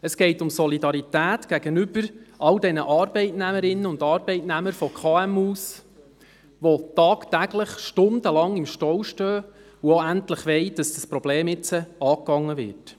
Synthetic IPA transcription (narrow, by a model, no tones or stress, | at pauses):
əsɡ̥ɛɪtʊmsɔlidɑɾitæːtɡ̥æɡ̥ənʏb̥əɾʔɑwdɛnəʔɑːɾb̥ɛɪtnæməɾɪnːəʊndɑɾbɛɪtnæməɾfɔkʰχɑːɛmuːs | ʋotɑːktæɡləχʃtʊnd̥əlɑŋɪmʃtɔwʃtøː | uoæntləχʋɛɪd̥ɑsd̥əspɾɔb̥leːmɪt͡səɑːkːɑŋːəʋɪ̰ːt